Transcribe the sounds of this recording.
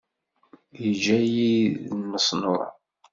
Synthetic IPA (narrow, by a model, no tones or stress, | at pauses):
jəd͡ʒæjiːəsˤno̰ɾ